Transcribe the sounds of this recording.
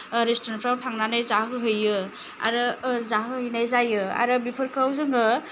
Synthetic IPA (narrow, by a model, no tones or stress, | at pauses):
ɾestɾenpʰɾawtʰaŋnanajzaɦɯɦɯjɯ | a̰ɾɯzaɦɯhɯjnajzajɯa̰ɾɯbipʰɯɾkʰawzɯŋɯ